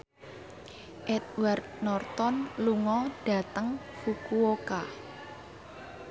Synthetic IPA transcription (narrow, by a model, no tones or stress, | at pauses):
ʔɛd̪wart̪̚nɔrt̪ɔnluŋɔɖ̥a̤t̪əŋ | fukuoka